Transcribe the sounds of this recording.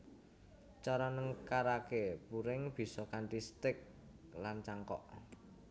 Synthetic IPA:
t͡ʃɔɾɔnəŋkaɾakepuɾɪŋb̥i̤sɔkanʈist̪ɪk̚ | lant͡ʃaŋkɔ̰ʔ

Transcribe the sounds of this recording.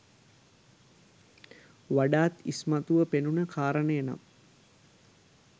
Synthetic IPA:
ʋaɖaːt̪ismat̪uʋəpenunəkʰaːɾənəjəna̰m

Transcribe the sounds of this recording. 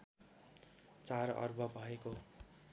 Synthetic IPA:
t͡saɾʌ̰rbʱʌbʱʌeko

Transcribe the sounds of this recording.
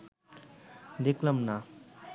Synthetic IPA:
d̪ekʰləmna

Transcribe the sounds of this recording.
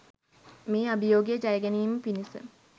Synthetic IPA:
meːabijoːɡijəd͡ʒajəɡæniːməpinisə̰

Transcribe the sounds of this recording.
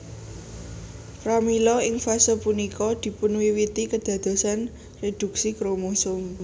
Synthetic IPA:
kɾamilɔɪŋfasopunikɔd̪̥i̤punuwiwit̪ikəd̪̥ä̤d̪̥o̤san | red̪̥ṳk̚sikɾomosʊm

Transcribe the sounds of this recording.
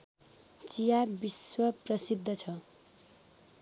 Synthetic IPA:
t͡sijabiswʌprʌsid̪ʱːʌt͡sʰʌ

